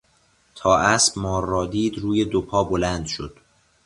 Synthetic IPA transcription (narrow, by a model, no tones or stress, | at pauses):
t̪ʰɒːʔæsbmɒːrːɒːd̪iːd̪ɾuːje̞d̪opʰɒːbolænd̪ʃod̪̥